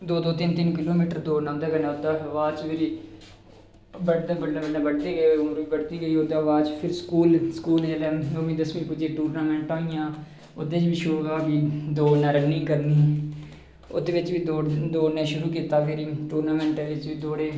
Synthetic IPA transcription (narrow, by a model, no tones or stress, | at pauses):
d̪oːd̪oːt̪ɪnt̪ɪnkɪloːmiːʈəɾd̪oːnãnd̪eːkənaːʊt̪ːaːʋaːt͡ʃpʰɪɾi | bəɽd̪ebəɽnẽːbəɽnẽːbəɽd̪eːɡəeʊmɾʋiːbəɽt̪iːɡəiːot̪aːʋaːt͡ʃpʰɪɾskuːlskuːleːlẽːnoːmĩːd̪əsmĩːpʊd͡ʒeːʈuːɾnaːmɛ̃ːɳʈãːɪjãː | ʊd̪eːt͡ʃbiːʃʊɾuːɡaːbiːd̪oːnãːɾənːĩːkəɾniː | ʊ̰d̪eːʋɪt͡ʃbiːd̪oːd̪oːnẽːʃʊɾuːk̬iːt̪aːpʰɪɾiʈuːɾnaːmɛ̃ːɳʈeɪt͡ʃbiːd̪oːɽeː